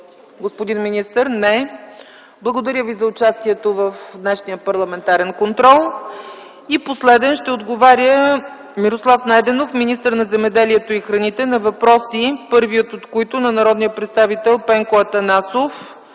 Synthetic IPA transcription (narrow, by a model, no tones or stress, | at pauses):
ɡospod̪inminist̪əɾnɛ | blˠɐɡod̪ɐɾʲəvizɐʊt͡ʃast̪iɛt̪ovəfd̪nɛʃnijəpɐɾlˠɐmɛnt̪aɾɛnkont̪ɾɔlˠ | iposlɛd̪ɛnʃt̪ɛod̪ɡovaɾʲjə | miɾoslˠafnajd̪ɛnofminist̪əɾnɐzɛmɛd̪ɛliɛt̪oixɾɐnit̪ɛnɐvɐpɾɔsipɤɾvijət̪ot̪kojt̪ʊnɐnɐɾɔd̪nijəpɾɛt̪st̪avit̪ɛlˠpɛŋkoɐt̪ɐnasof